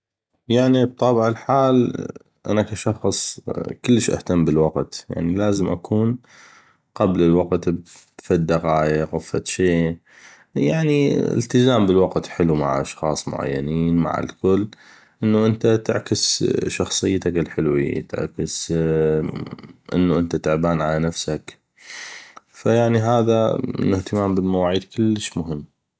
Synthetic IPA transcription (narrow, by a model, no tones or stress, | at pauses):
jaʕnib̚t̪ˤɑːbʕɪlħaːl | ʔa̰nakaʃɑxsˤkʊlːəʃʔa̰ht̪ambəlwɑqt̪ja̰ʕnilaːzəmʔa̰kʰuːn | qablɪlwɑqt̪ | fid̪ːaɣaːjaɣafːat̪ʃeː | jaʕniɪ̰lt̪ɪzaːmbəlwɑqt̪ħɪluma̰ʕʔɑʃxɑ̰ːsˤmʊ̰ʕa̰jːa̰niːnma̰ʕa̰lkʊlː | ʔənːuʔənt̪at̪ɪ̰ʕkəsʃɑxsˤɨjːt̪akɪlħɪlwḭt̪ɪ̰ʕkəs | ʔə̰nːuʔənt̪at̪ɪʕbaːnʕalanafsak | fajaʕniɦaːðaɪ̰nːʊht̪ɪmaːmbɪlmawaːʕiːd̪kʊlːəʃmʊɦəmː